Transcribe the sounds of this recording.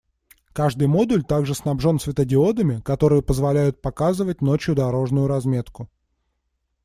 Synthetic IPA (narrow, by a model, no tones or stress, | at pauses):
kaʐd̪ɨjmo̞d̪ʊlʲt̪aɡʐɨsnɐbʐo̞nsvʲɪt̪ədʲɪo̞d̪əmʲɪkɐt̪o̞ɾɨjəpəzvɐlʲæjʊt̪̚pɐkazɨvət̚ʲnot͡ɕjʊd̪ɐɾo̞ʐnʊjʊɾɐzmʲe̞t̪kʊ